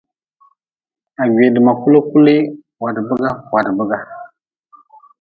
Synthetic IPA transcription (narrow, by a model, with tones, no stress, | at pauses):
a˨ɡe˨də˨ma˨ku˦lo˦ku˦li˦ | wa˨dbə˦ɡa˦wa˨dbə˦ɡa˦